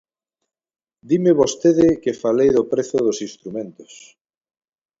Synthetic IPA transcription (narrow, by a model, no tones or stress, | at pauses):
d̪imɪβost̪eðɪkɪfalejðopɾeθʊðosinst̪ɾumẽnt̪o̥s